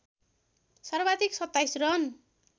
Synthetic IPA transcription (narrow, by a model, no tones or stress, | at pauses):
sʌrbad̪iksʌt̪ːajsrʌn